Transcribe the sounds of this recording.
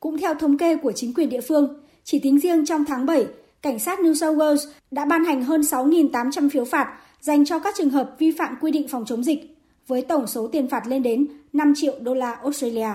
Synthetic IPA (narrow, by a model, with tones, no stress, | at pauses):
kʊ̰˧˥ŋ͡mt̪ʰɛ˧wt̪ʰə˨˦wŋ͡mke˧ku˧˩ət͡ɕï˨˦ŋ̟kwi˨˩ənɗḭ˧˨fɨ˧əŋ | t͡ɕi˧˩t̪ï˨˦ŋ̟zi˧əŋt͡ɕɔ˧wŋ͡mt̪ʰaː˨˦ŋɓə˧˩j | ka˧˩jŋ̟saː˦˥t̚ni˧sə˧ɣəː˧wz | ɗa̰ː˧˥ɓaː˧nha˨˩jŋ̟ɦəː˧nsa˨˦wŋi˨˩nt̪aː˨˦mt͡ɕa˧mfi˨˦əwfaː˨˩t̚ | za˨˩jŋ̟t͡ɕɔ˧kaː˦˥k̚t͡ɕɨ˨˩ŋɦəː˨˩p̚vi˧fa̰ː˧˨mkwi˧ɗḭ˧˨ŋ̟fɔ˨˩wŋ͡mt͡ɕə˨˦ŋ͡mzi˨˩k̚ | vəː˨˦jt̪ə˧˩wŋ͡mso˨˦t̪i˨˩ənfaː˨˩t̚le˧nɗe˨˦nna˧mt͡ɕḭ˧˨ə˨wɗo˧laː˧ʔo˦˥s̚tə˧li˧aː˧